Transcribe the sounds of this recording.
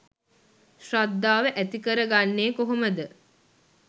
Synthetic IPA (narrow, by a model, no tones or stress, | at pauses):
ʃrad̪ːaːʋəʔæt̪ikəɾəɡanːeːkoɦoməd̪ə